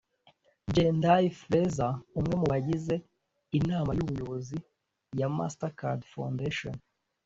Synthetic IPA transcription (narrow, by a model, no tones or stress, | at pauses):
d͡ʒendaifɾezaumŋe̞muβaɟize̞ | inaːmajuβujo̞βozi | jama̰staka̰ɾdfa̰wndeʃo̰n